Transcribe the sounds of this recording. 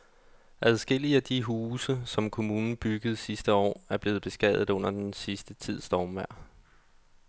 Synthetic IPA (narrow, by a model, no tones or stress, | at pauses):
ʔæðˠsɡ̥el̰iəæd̥iɦuːsəsɒ̽mkʰo̝muːnn̩b̥yɡ̥əð̞̩ˠsisd̥əɒ̰ːæɐb̥le̝ːð̩ˠb̥e̝sɡ̥ɛðˠð̩ˠɔ̽n̰ɐd̥ensisd̥ət͡sʰið̞̰ˠsd̥ɒːmʋæɐ̰